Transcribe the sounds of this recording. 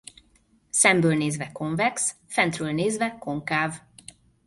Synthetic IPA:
sɛmbøːlneːzvɛko̞ɱvɛks | fɛnt̪røːlneːzvɛko̞ŋkaːv

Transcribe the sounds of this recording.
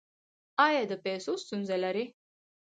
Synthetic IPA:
ɑjɑd̪əpesost̪unzelaɾi

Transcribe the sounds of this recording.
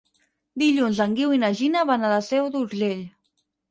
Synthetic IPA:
d̪iʎunzəŋɡiwinaʒinaβanaðasɛwðuɾʒeʎ

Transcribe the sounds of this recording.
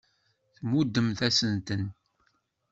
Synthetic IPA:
θmud̪ːəmθæsənt̪ən

